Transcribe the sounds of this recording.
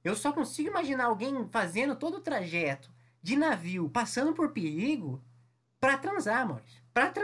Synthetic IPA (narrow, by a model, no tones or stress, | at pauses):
ewsɔkõsiɡʊimaʒinaawɡẽj̃fazẽnd̪ʊt̪od̪ʊːt̪ɾaʒɛt̪ʊ̥ | d͡ʒɪnaviwpasɐ̃nd̪ʊpoɾpeɾiɡʊ | pɾɐt̪ɾɐ̃zaɾmo̰ɾspɾɐt̪ɾɐ